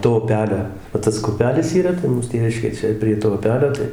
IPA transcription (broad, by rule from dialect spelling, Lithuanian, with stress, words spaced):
toː ʊˈpʲæːlʲoː ʋɐ ˈtɐs kʊ ʊˈpʲæːlʲɪs iːˈrɐ tɐɪ ˈmuːs ˈtʲeːʋʲɪʃʲkʲeː ˈt͡ʃʲɛ pʲrʲiɛ toː ʊˈpʲæːlʲoː ˈtɐɪ